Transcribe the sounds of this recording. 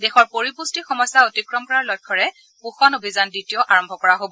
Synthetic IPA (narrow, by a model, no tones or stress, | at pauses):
dexɔɹpoɹipustixɔmɔjsaotikɹɔmkɔɹaɹlɔjkʰːɔɹɛ | puxɔnobʱizandɹitijɔʔaɹɔmbʱɔkɔɹaɦobɔ